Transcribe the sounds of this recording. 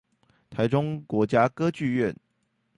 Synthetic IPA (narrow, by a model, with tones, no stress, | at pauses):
t̪ʰa˧˥ɪʈ͡ʂʊ˥ŋkwɔ˧˥t͡ɕja˥kɤ˥t͡ɕy˥˧ɥɛ˥˨n